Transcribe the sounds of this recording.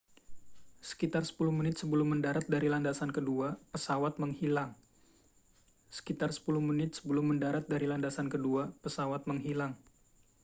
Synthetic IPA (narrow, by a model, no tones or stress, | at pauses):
sə̥kit̪arsə̥puluhmənɪt̪̚səbəlʊmːəndaɾat̪̚daɾilandasankəduapəsawat̪̚məŋhilaŋ | sə̥kit̪arsə̥puluhmənɪt̪̚sə̥bəlʊmːəndaɾat̪̚daɾilandasankəduapəsawat̪̚məŋɦilaŋ